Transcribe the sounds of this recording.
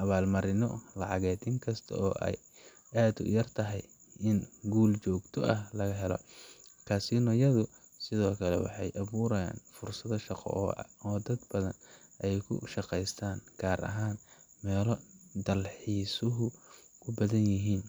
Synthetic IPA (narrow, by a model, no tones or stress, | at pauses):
ʔɐβaːlmɐɾɪnɔlɑʕɑɣɛːd̪ɪŋkʰɐst̪ʰɐ̰ɔːʔɛ̰j | aːd̪ʊ̰jɐrt̪ʰɐɦɛj | ʔɪnɡuːlt͡ʃɔːɡt̪ʰɔʔɐhlɐɣɐɦɛlɔ̰kʰaːsɪnɔjɐðʊ | sɪðɔːkʰɐlɛwɑ̰ħɑjʔɐβuːɾɐja̰ːnfʊrsɐðɐʃɑqɔ̰ɔːd̪ɐd̪bɐðɐnʔɛjkʰʊ̰ʃɑqɛjst̪ʰaːnɡ̥aːɾʔɐ̰ɦaːn | mɛːlɔd̪ɐlħiːsʊɦʊ | kʰʊbɐðɐnjɪɦiːn